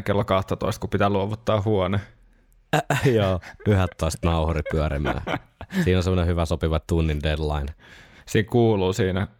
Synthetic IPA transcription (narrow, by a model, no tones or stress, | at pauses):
kelːokɑht̪ɑt̪o̰ist̪kupit̪æːluoʋut̪ːɑːhhuone | joːyhɛt̪ːoist̪nɑuhuɾipyæɾḭmæ̰ːsiːnonsemːonehyʋæsopiʋɑtt̪unːindedlɑinsiːŋkuːluːsiːnæ